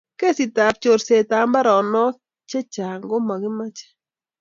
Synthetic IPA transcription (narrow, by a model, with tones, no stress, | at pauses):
ke˦si˨ta˨p̚t͡ʃo˨ɾse˨ta˨˦mba˦ɾɔ˨nɔ˦ | t͡ʃe˦t͡ʃa˨ŋɡo˦ma˨ɡɪ˦ma˦t͡ʃe̥˦